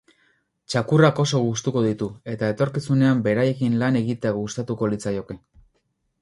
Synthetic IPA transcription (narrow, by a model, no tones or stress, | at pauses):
t͡ʃakurako̞so̞ɣ̞ust̪uko̞ðit̪ue̞t̪ae̞t̪o̞ɾkisune̞ambe̞ɾaje̞kinlane̞ɣit̪e̞aɣust̪at̪uko̞lit͡sajo̞ke̞